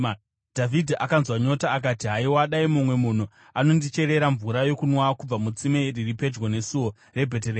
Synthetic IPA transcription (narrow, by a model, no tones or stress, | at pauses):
d̥ʱavʱidʱiʔakanzwaɲo̞taːk̬atiɦaiwaɗaimumwe̞mun̤u | ano̞ndit͡ʃe̞ɾe̞ɾaɱvuɾajo̞kunwakub͡vamut͡simeriripe̞d͡ʒɡone̞suwo̞ | re̞bʱe̞tere